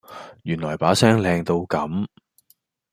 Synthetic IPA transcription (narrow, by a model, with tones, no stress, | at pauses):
jyː˨˩nlɔː˨˩jpaː˨˥sɛː˥ŋlɛː˧ŋt̪o˧wkɐ˨˥m